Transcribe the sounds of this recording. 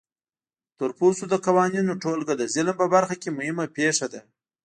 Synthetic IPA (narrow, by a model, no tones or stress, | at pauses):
t̪əɾposod̪əkawɑninoʈolɡad̪əzɪlmpəbaɾxakʲemʊhɪmapeʂad̪a